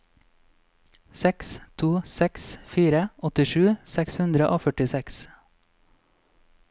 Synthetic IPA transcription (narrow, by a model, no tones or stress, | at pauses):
sɛkst̪ʰuːsɛksfiːɾəɔt̪ɪʃʉːsɛkshʉnd̪ɾəʔoːfœʈɪsɛks